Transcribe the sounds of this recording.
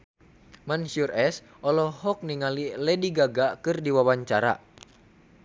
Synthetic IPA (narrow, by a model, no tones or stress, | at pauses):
mansurɛs | ʔɔlɔhɔk̚niŋalilɛdiɡaɡakɨrdiwawaɲt͡ʃaɾa̰